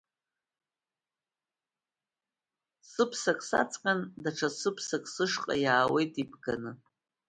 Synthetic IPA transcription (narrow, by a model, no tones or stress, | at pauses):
sɨpʰsakʼsa̰t͡sʼqʲʼandaʈ͡ʂʰasɨpʰsakʼsɨʂqʼa̰jaːwejtʼibʰɡanɨ